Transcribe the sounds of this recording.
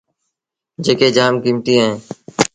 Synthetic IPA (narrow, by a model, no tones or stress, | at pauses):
d͡ʒeːkeːd͡ʒaːmkiːmt̪iːaẽː